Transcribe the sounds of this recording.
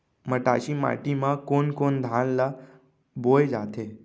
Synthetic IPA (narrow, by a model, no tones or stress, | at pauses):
məʈa̰ɕima̰ʈimãkonkond̪ʱanla | bojd͡ʒat̪ʰe